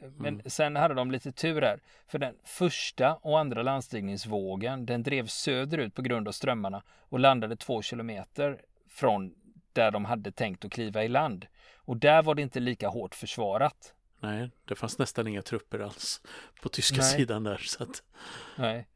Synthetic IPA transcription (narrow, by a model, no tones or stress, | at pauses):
mɛnsɛnhad̪ːəd̪ɔmliːt̪ət̪ʰʉ̟ːɾhæɾ | fœɖɛnfœʂʈaʔɔand̪ɾaland̪st̪iːnɪŋsvoːɡənd̪ɛnd̪ɾeːvsøːd̪əɾʉ̟ːt̪̚pʰɔɡɾɵnd̪av̥st̪ɾœmːaɳa | ɔland̪ad̪ət̪ʰv̥oːɕɪlʊmeːt̪əɾ | fɾɔn | d̪̥æɖɔmɦad̪ːət̪ʰɛŋk̚t̪ɔkʰliːvaɪland̪ | ɔd̪æɾvaɖɛɪnt̪əliːkahoːʈfœʂvɑːɾat̪ | nɛɪd̪̥ɛfansnɛst̪anɪŋːat̪ʰɾɵpːəɾa̰lspʰɔt̪ʰʏskkasiːd̪and̪æɾsat̪nɛɪ